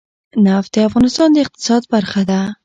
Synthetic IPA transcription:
naft̪eafɣɑnɪst̪ɑnd̪aɪq̚t̪ɪ̥sɑd̪baɾχad̪a

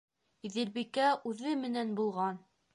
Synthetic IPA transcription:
iðɘ̆lbikæʔʉðɘmɘ̆nænbulˠʁɑn

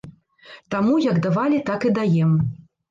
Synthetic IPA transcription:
t̪amujɐɡd̪avalʲit̪akɨd̪ajɛm

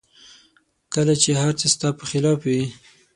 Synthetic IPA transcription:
kəlat͡ʃehaɾt͡səst̪ɑpəxɪlɑfwi

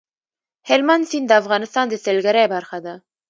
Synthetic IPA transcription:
helmansind̪əafɣɑnɪst̪ɑnd̪əselɡaɾajbaɾxad̪a

